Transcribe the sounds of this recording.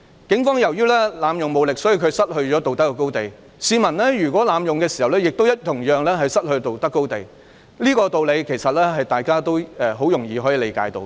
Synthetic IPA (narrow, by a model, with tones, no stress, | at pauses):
kɪ˨˥ŋfɔː˥ŋjɐ˨˩wjyː˥lɛː˥laː˨˧mjʊ˨ŋmo˨˧wlɪ˨k̚sɔː˨˥ji˨˧wkʰɵ˨˧sɐ˥t̚hɵ˧ɥt͡ʃɔː˨˥t̪o˨wt̪ɐ˥kːɛ˧ko˥wt̪e˨j | siː˨˧mɐ˨˩nlɛː˥jyː˨˩kʷɔː˨˥laː˨˧mjʊ˨ŋkɛː˧si˨˩hɐ˨wlɛː˥jɪ˨k̚t̪o˥wjɐ˥t̚t̪ʰʊ˨˩ŋjœː˨˧ŋlɛː˥ɦɐ˨jsɐ˥t̚hɵ˧ɥt̪o˨wt̪ɐ˥kːo˥wt̪e˨j | liː˥kɔː˧t̪o˨wle˨˧jkʰe˨˩jsɐ˨t̚lɛː˥ɦɐ˨jt̪aː˨jkaː˥t̪o˥wɛ˨˧ɦo˨˥wjʊ˨˩ŋjiː˨ɦoː˨˥jiː˨˧le˨˧jkaː˨˧˥jt̪o̰˧w